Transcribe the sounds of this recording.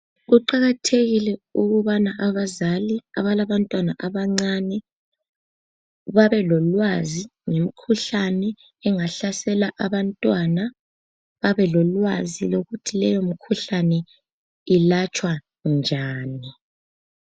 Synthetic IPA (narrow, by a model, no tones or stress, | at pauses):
ɣuǃaɣatʰeɣilɛuɣuβanaʔaβazalia̰βalaβantʼwanaʔaβaŋ͡ǀanɛ | βaβɛlɔlwaziŋem̩kʰuɬanɛː | ŋaɬasɛlaʔaβantʼwana | βaβɛlɔlwaziloɣutʰilɛjomikʰuɬanɛ | ilat͡ʃʼwa | nd͡ʒʱaːni